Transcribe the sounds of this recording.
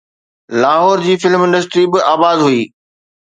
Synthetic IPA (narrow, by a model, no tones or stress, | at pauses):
laːɦɔːɾd͡ʑiːfɪlmɪ̃nɖəs̬ʈɾibɪaːbaːd̪ɦuiː